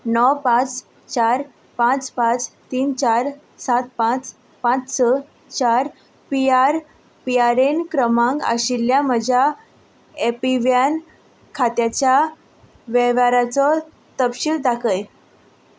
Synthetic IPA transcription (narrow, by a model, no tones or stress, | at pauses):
nɔwpãt͡s | t͡ɕaɾ | pãt͡spãt͡st̪iːnt͡ɕaɾ | sat̪̚pãt͡s | pãt͡ssə | t͡ɕaɾ | piaɾ | piaɾenkɾəmãŋɡə̰ɕiljaməd͡ʑʱa | epiʋjan | kʰat̪jat͡ɕja | ʋɛʋaɾat͡sɔ | t̪əpɕild̪akʰəj